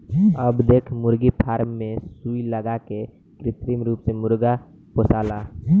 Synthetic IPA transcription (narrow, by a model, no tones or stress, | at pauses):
əbd̪eːkʰmʊɾɡipʰaːɾmːẽsuːiləɡake | kɾɪt̪ɾimɾuːpsemʊɾɡa | posaːlaː